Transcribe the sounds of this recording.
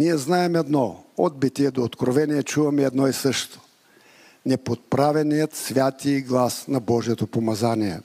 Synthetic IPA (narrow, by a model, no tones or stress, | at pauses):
niɛznaɛmɛd̪nɔɔd̪̚bit̪iɛd̪oːt̪kɾovɛniɛt͡ʃuvɐmɛɛd̪nɔisɤʃt̪o̥ | nɛpot̪̚pɾavɛnijət̪svʲjat̪iɡlˠasnɐbɔʒiɛt̪opomɐzaniɛ̰